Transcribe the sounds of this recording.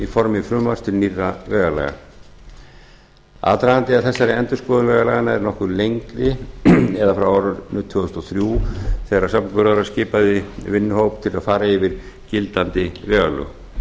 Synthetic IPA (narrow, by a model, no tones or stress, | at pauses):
ifɔɾmɪfɾʏːmarst̪ʏɾnirːavɛːɣalɛ̰ːɣa̰ | a̰ːðt̪ɾaant̪ɪaðθɛsːaɾɪɛnt̪ʏspɔːðʏvɛːɣalaɣanaɛɾnɔhkʏɾlejŋkɾɪɛðafɾawaːɾʏɾnʏt̪ʰːʏʏst̪ɔθɾjuθɛːɾḁsapnpʏɾaðʏɾascɪːpaðɪvɪnːʏhowpt̪ʰɪlaðfaːɾaɪvɪɾ̥ | cɪlt̪ant̪ɪvɛːɣalʏ̰ɣ